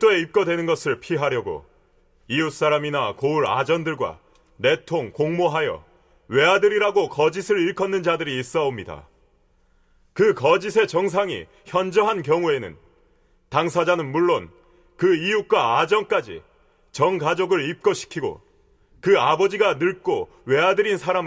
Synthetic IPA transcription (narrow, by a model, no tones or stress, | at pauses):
t͈oe̞ip̚k͈ʌdwe̞nɯnɡʌsʰɯɭpʰiɦaɾjʌɡo̰ | ijus͈aɾaminakouɾa̰d͡ʑʌndɯɭɡwa̰ | ne̞tʰoŋkoŋmoɦajʌ̰ | we̞adɯɾiɾaɡokʌd͡ʑisʰɯɭiɭkʰʌnːɯnd͡ʑadɯɾiːs͈ʌomɲida̰ | kɯkʌd͡ʑis̬ʰe̞t͡ɕʌŋs̬ʰaŋḭ | çjʌnd͡ʑʌɦankjʌŋue̞nɯ̰n | taŋsʰad͡ʑanɯnmuɭːon | kɯijuk͈waːd͡ʑʌŋk͈ad͡ʑḭ | t͡ɕʌŋɡad͡ʑoɡɯɭip̚k͈oɕʰi̥kʰiɡo̰ | kɯabʌd͡ʑiɡanɯɭk͈o | we̞adɯɾinsʰaɾam